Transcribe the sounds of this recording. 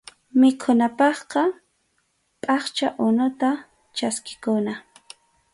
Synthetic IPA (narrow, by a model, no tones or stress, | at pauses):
mɪkʰʊnapɑχqɑ | pʼɑχt͡ʃaʔʊnʊt̪a | t͡ʃaskɪ̥kʊna